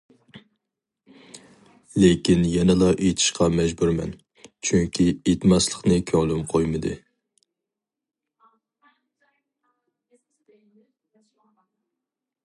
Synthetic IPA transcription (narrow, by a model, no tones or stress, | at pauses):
lekʲinjɛnɛlˠɑʔet̪ʰɪ̥ʃqʰɑmɛd͡ʒbuɾmɛ̰n | t͡ʃʰyŋkʲʰiet̪mɑslˠəqnɨkʲʰɔŋlˠɪmqʰojmɨd̪ɨ̰